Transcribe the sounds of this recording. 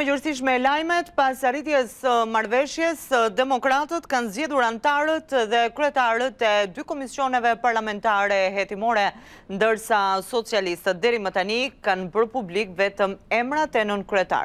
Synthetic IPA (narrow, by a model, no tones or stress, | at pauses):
əjəɾsiʃ̬mɛlajmɛt̪pasarit̪jɛsəmaɾvɛʃjɛsd̪ɛmɔkɾat̪ət̪kanzd͡ʑɛðuɾant̪aɾət̪ðɛkɾyɛt̪aɾət̪ɛd̪ykɔmisjɔnɛvɛpaɾlamɛnt̪aɾɛɦɛt̪imɔɾɛ | nd̪əɾsasɔt͡sialist̪ət̪̚d̪ɛɾimət̪anikanpəɾpublikvɛt̪əmɛmɾat̪ɛnənkɾɛt̪a̰ɾ